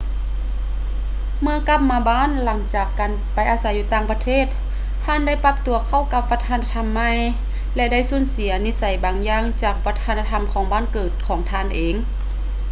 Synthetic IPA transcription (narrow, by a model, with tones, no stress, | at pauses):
mɯ˧˥ɐka˧˥p̚maː˧baː˧˥˨nla˩˦ŋt͡ɕaː˨˩kːaː˨npa˨˩jʔaː˨˧sa˨˦jːuː˧˦t̪aː˧˩ŋpa˧t̪ʰeː˥˩˨t̪̚ | haː˧˥˨nda˥˨jpa˧˥p̚t̪u˨˦ɐkʰa˧˩˨wka˧p̚ʋa˧t̪ʰaː˧˥na˧t̪ʰa˧˥mːa˧˥j | lɛ˧da˥˨jsuː˧˥˨nsi˩˦ɐni˧˥sa˨˦jbaː˨˦ŋjaː˧˥˩ŋt͡ɕaː˨˩k̚pa˧˥t̪ʰaː˧˥na˧t̪ʰa˧˥mkʰɔː˨˩˦ŋbaː˧˥˨nkɤː˨˩t̪̚kʰɔː˨˩˦ŋt̪ʰaː˧˩˨nʔeː˨˦ŋ